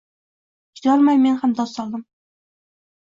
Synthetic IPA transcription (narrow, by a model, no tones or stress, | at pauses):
jɒɾmajmenhamd̪ɒsːɒlˠd̪ɨm